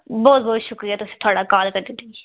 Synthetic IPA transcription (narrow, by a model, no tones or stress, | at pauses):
bɔːt̪̚bɔːt̪ʃʊkɾijaːt̪ʊsĩːt̪ʰʊaːɽaːkaːlkəɾd̪ɪt̪ːiɡi